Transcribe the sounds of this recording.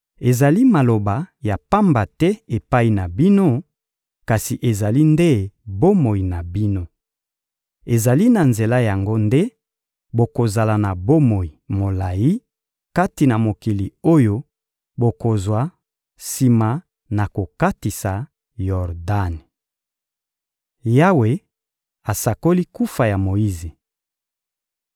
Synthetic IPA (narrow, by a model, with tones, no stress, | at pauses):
e˨za˨li˦ma˨lo˨ba˨ja˨pa˦mba˨tɛ˦e˨pa˦i˨na˨bi˦no˦ | ka˨si˨ʔe˨za˨li˦nde˦bo˦mo˨i˨na˨bi˦no˦ | e˨za˨li˦na˨nze˨la˦ja˨ŋɡo˦nde˦ | bo˨ko˨za˨la˨na˨bo˦mo˨ji˨mo˨la˨ji˦ | ka˦ti˨na˨mo˨ki˨li˨o˦jo˦ | bo˨ko˨zwa˨ | si˨ma˨ | na˨ko˨ka˦ti˨sa˨ | jɔ˨ʁda˦˨n | ja˦we˨ | a˨sa˨ko˦li˦ku˦fa˨ja˨mo˨i˦ze˨